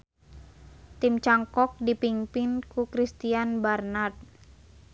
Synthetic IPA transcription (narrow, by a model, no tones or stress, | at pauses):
t̪imt͡ʃaŋkɔk̚dipiŋpɪnkukɾist̪ianbarnat̪̚